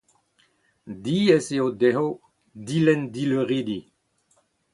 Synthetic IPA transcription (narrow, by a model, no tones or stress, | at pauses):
diɛseodɛɦo | dilɛndiløʁid̪i